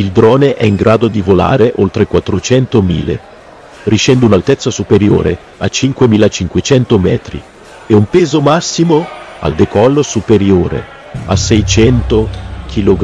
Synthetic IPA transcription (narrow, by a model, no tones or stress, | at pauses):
ild̪ɾɔːneʔɛiŋɡɾʔaːd̪od̪ivola̰ːɾeʔolt̪ɾekwat̪ːɾot͡ʃɛnt̪omḭːlḛ | riʃɛnd̪unalt̪ɛt̪sːasupeɾjo̰ːɾe | at͡ʃːiŋkwemiːlat͡ʃiŋkwet͡ʃɛnt̪omɛːt̪ɾḭ | eumpeːzomasːimoa̰ld̪ekɔlːsupeɾjoːɾḛ | a̰sɛjt͡ʃɛnt̪ok̟ʰiloɡ